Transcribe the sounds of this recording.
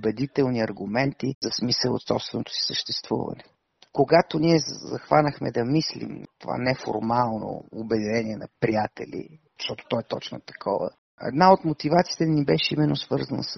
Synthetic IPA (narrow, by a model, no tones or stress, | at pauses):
obɛd̪it̪ɛlˠniɐɾɡʊmɛnt̪izɐsmisəlˠo̰t̪sɔpst̪vɛnot̪o̥si̥səʃt̪ɛst̪vṵvɐ̰nɛ | koɡat̪oniɛzɐxvanəxmɛd̪ɐmislḭmt̪ova̰nɛfo̰ɾmalˠno̰obɛd̪inɛniɛnɐpɾijat̪ɛ̰lʲḭzəʃt̪ɔt̪o̥t̪ɔɛt̪ɔt͡ʃno̰t̪ɐ̥kʰɔ̰və̰ | ɛ̰d̪naot̪mot̪ivat̪siːt̪ɛnibɛʃɛimɛnːosvɤɾzənə̰s